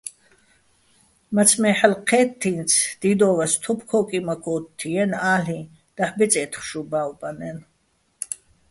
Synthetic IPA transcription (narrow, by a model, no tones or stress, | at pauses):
mat͡sʰmɛħalqʰɛːt̪ʰːint͡sʰd̪̥id̪ɔːvast̪ʰupʰkʰɔːkʼimakʰɔt̪ʰːiɛnaːli | d̪̥aħbɛt͡sʼɛt̪ʰχʃubaːwbanɛn